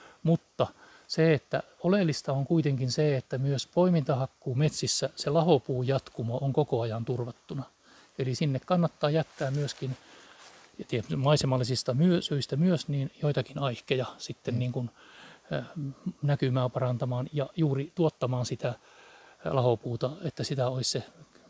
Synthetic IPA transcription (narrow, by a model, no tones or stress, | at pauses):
mut̪ːɑ | seet̪ːæ̰olelːist̪ɑoŋkuit̪eŋkinseet̪ːæmyøspoimint̪ɑhɑkːuːmet̪sisːæselɑhopuːjɑt̪kumɑoŋkokoɑjɑnt̪urʋɑt̪ːunɑ | elisinːekkɑnːɑt̪ːɑːjæt̪ːæːmmyøskin | jɑt̪iæmɑisemɑlːisist̪ɑmyøsøist̪æmyøsniːnjoit̪ɑkinɑihkejɑsit̪ːenniːŋkun | nækymæːpɑrɑnt̪ɑmɑːnjɑjuːrit̪uot̪ːɑmɑːnsit̪æ | lɑhopuːt̪ɑet̪ːæsit̪æoisse